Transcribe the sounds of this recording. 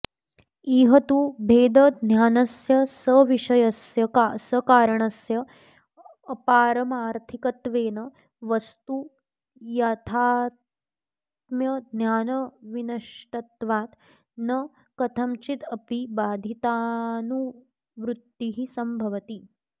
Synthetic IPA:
iːɦɐt̪ubʱeːd̪ɐd̪ʱnjaːnɐsjɐsɐʋiʃɐjɐsjɐkasəkaːɾəɳɐsjɐː | paːɾɐmaːɾt̪ʰikɐt̪ʋeːnɐ | ʋɐst̪u | jat̪ʰaː | t̪̚mjɐd̪ʱnjaːnɐʋinɐʃʈɐt̪ʋaːt̪ | nɐ | kɐt̪ʰɐmt͡ʃit̪ɐpibaːd̪ʱit̪aːnu | ʋɾut̪ːiɦisɐmbʱɐʋɐt̪i

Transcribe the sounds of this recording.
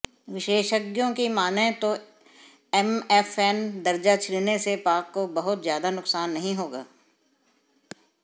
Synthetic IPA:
ʋɪʃeːʃəɡjõkimaːnẽt̪o | ɛmɛfɛːnd̪ɐɾd͡ʒat͡ʃʰɾinesepaːkːobɐɦʊt̪zjaːd̪anʊksaːnːɐɦĩɦoːɡaː

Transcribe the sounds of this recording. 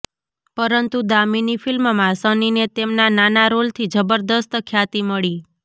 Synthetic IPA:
pəɾənt̪ud̪aminifɪlmmãsəninet̪emnananaɾolt̪ʰid͡ʒəbəɾd̪əst̪kʰjat̪iməɭi

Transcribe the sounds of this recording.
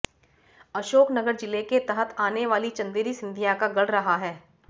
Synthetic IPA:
ɐʃoːknɐɡəɾd͡ʒɪleket̪ɐɦət̪ʰaːneʋaːlit͡ʃɐ̃nd̪iɾisɪ̃nd̪ʱijãkaɡɐɽ̤ɾɐɦaɦɛː

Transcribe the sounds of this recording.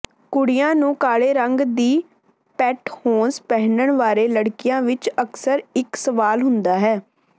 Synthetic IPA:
kʊɽɪjãːnũːkaːɽeːɾəŋɡd̪iː | pɛːʈhoːnspɛɦnəɳʋaːɾeːləɽkɪjãːʋɪt͡ʃəksəɾɪksəʋaːlɦʊnd̪aːɦɛː

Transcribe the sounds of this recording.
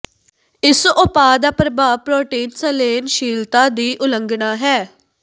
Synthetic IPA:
ɪsʊpaːd̪aːpɾəbaːʋpɾɔːʈiːnsəleːnʃiːlt̪aːd̪iːʔʊləŋɡnaːɦɛː

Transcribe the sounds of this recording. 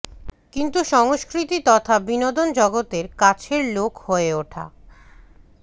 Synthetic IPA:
kint̪uʃɔŋoʃkɾit̪it̪ɔt̪ʰabinod̪ond͡ʑɔɡot̪eɾkat͡ɕʰeɾlokʰhoeoʈʰa̰

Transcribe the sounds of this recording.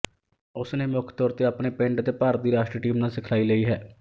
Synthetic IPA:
ʊsneːmʊkʰt̪ɔːɾt̪eːaːpɳeːpɪɳʈət̪eːpaːɾd̪iːɾaːʃʈɾiːʈiːmnãːsɪkʰlaːiːləiːɦɛː

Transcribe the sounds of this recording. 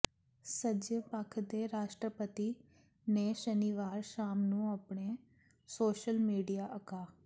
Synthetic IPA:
səd͡ʒəpəkʰd̪eːɾaːʃʈɾəpət̪iː | neːʃəniːʋaːɾʃaːmnũːapɳeː | soːʃəlmiːɖijaːʔəkaː

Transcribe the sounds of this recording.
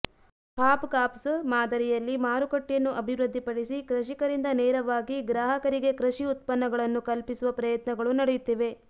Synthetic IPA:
pʰaːpkaːpsmaːd̪ɐɾijɐlːimaːɾukɐʈːjɐnːuʔɐbʱiʋɾɐd̪ʱːipɐɽisikɾɐʃikɐɾind̪ɐnɛːɾɐʋaːɡiɡɾaːɦɐkɐɾiɡe̞kɾɐʃiut̪pɐnːɐɡɐɭɐnːukɐlpisuʋɐpɾɐjɐt̪nɐɡɐɭunɐɽejut̪ːiʋe̞

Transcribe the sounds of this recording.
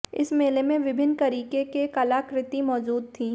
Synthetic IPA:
ɪ̰smeːlemẽʋɪbʱɪnːt̪ɐɾiːkekekɐlakɾɪt̪imɔːd͡ʒuːd̪̚t̪ʰĩː

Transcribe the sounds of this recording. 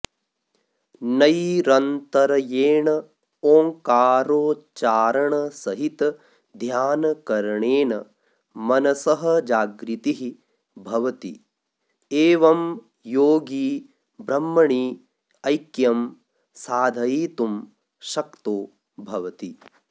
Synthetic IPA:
nɐjɾɐnt̪ɐɾɐjeːɳɐ | oːŋkaːɾoːt͡ʃaːɾɐɳɐsɐɦit̪ɐ | d̪ʱjaːnɐkɐɾɐɳeːnɐ | mɐnɐsɐɦɐ̆d͡ʒaːɡɾit̪iɦi | bʱɐʋɐt̪ḭ | eːʋɐm | joːɡiː | bɾɐmːɐɳiː | ɐjkjɐm | saːd̪ʱɐjiːt̪um | ʃɐkt̪oː | bʱɐʋɐt̪i

